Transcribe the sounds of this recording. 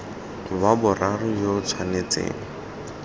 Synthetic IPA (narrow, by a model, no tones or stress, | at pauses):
babʊrʔarʊjot͡sʰwanet͡sḛːŋ̩